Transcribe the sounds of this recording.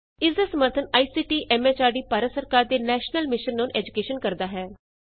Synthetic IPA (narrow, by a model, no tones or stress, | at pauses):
ɪsd̪aːsəməɾt̪ʰənaːiːsiːʈiːʔɛːmeːt͡ʃaːɖiːpaːɾət̪səɾkaːɾd̪eːnɛːʃnəlmɪʃənːonʔɛːd͡ʒʊkeːʃənkəɾd̪aːɦɛː